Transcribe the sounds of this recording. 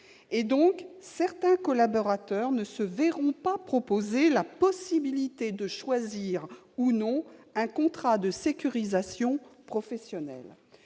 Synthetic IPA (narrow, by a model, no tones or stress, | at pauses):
ed̪ɔ̃ksɛʁt̪ɛ̃kɔlabɔʁat̪œʁnəsəvɛʁɔ̃papχɔpozelapɔsibilit̪ed̪əʃwaziʁ | unɔ̃ɛ̃kɔ̃t̪χad̪əsekʲyʁizasjɔ̃pχɔfɛsjɔnɛ̰l